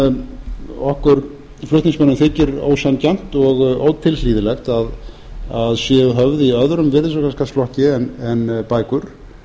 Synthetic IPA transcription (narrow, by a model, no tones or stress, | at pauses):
ɔhkʏɾ | flʏht̪niŋsmanːɪmθɪːcɪɾo̰ːwsancam̥t̪ɔɣo̰ːwt̪ʰɪlliːðɪlɛxt̪að | aðsjɛɦœvðɪiœðɾʏmvɪɾðɪs̬ɔkʰanskast̪lɔhcɪɛnɛnpaːjkʏɾ̥